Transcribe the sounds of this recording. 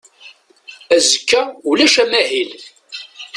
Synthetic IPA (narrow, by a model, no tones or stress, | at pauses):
æzəkːæulæʃæmæhil